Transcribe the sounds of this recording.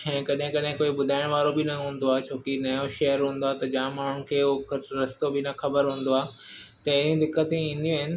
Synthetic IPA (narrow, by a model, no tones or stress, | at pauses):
ɛ̃ːkɐɗɦɪ̃kɐɗɦɪ̃koːibʊd̪ʱaːɪɽ̃ʋaːɾobɪnɐɦũːn̆d̪oaːt͡ɕʰoːkinɐjoʃɐɦəɾɦũːn̆d̪oat̪ɐd͡ʑãːmaːɳ̤ʊnɪ̆kʰeːɾɐst̪obɪnɐxɐbəɾɦũːn̆d̪oaːt̪ɐɪĩd̪ɪkːət̪ĩĩːn̆d̪ĩːɦɪnɪ̆